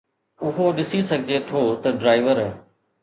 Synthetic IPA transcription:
ʊɦoɗɪsisɐɡʱɪd͡ʑet̪ʰoːt̪ɐɖɾaːɪʋəɾɦ

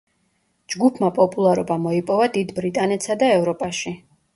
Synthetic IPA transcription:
d͡ʒɡupʰmapʼɔpʼulˠaɾɔbamɔipʼɔvad̪id̪bɾit̪ʼanɛt̪sad̪aɛvɾɔpʼaʃi

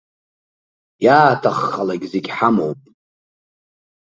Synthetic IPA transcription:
jaːtʰaχːalaɡʲzeɡʲħamowpʼ

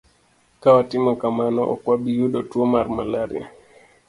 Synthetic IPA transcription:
kawatɪmɔkamanɔʔɔ̰kwabijuɗɔtwomaɾmalaɾɪ̰a̰

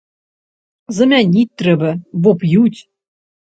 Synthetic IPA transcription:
zə̆mʲænʲit̪ːɾɘ̆βɘ̆βopjut̪ʲ

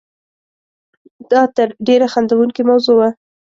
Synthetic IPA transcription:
d̪̥ɑt̪əɾɖeɾaxand̪awuŋkimawzowa

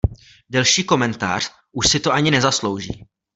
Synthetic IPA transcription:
dɛlʃiːko̞mɛnt̪a̰ːr̝̥ | ʔuʃsɪt̪oʔaɲɪnɛzaslo̞wʒḭː

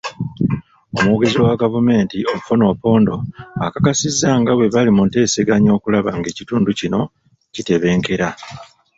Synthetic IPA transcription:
o̞muɡe̞ziwaɡavume̞ːntio̞mufono̞ːpo̞ːndo̞akakasizːaŋɡawe̞βalimunte̞ːse̞ɡaɲo̞ːkulaβaŋɡe̞ːcituːnducino̞ | cite̞βe̞ːŋke̞ɾa

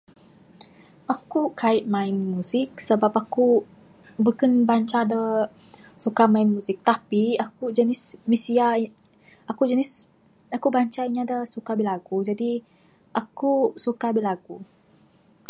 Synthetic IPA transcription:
ʔakukaɪt̪̚mãɪnmuzɪk̚səbapaku | bukanbaɲt͡ʃadə | sukamaɪnmuzɪk̚t̪apiak̚ud͡ʒənɪsmisia | akud͡ʒənɪs | akubaɲt͡ʃaiɲãdasukabilaɡud͡ʒadi | ʔakusukabilaɡu

